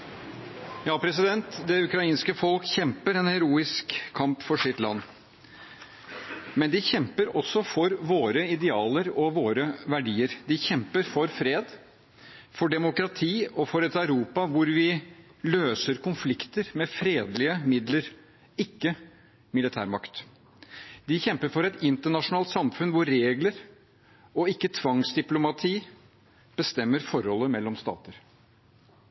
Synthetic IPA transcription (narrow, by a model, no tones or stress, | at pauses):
jɑːpʰɾɛsɪd̪ɛnt̪d̪ɛʉkɾɑiːnskəfɔlkçɛmpəɾɛnhɛɾuːɪskʰːɑmpfɔʂɪt̪lɑ̰nː | mɛnd̪ɪçɛmpəɾɔsːɔfɔɾʋoːɾəɪd̪ɛɑːləɾɔʋoːɾəʋæɖiːəɾd̪ɪçɛmpəɾfɔɾfɾeːd̪ | fɔɖɛmʊkɾɑt̪ʰiːɔfɔɾɛt̪ɑʉɾuːpɑʋʊɾʋɪløːsəɾkʰʊnflɪkt̪əɾmɛfɾeːd̪lɪəmɪd̪ləɾ | ɪkːə | mɪlɪt̪ʰæ̰ːɾmɑkt̪ | d̪ɪçɛmpəɾfɔɾɛt̪ɪnt̪əɳɑʂʊnɑːlt̪sɑmfʉnʋʊɾːeːɡləɾ | ɔɪkːət̪ʰʋɑŋsd̪ɪplʊmɑt̪ʰiː | b̥əst̪ɛmːəɾfɔɾhɔlːəmɛlːɔmst̪ɑ̰ːt̪əɾ